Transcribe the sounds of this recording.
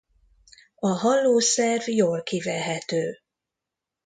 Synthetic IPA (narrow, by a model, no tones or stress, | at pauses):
ɒɦɒlːoːsɛrvjoːlkivɛlɦɛt̪øː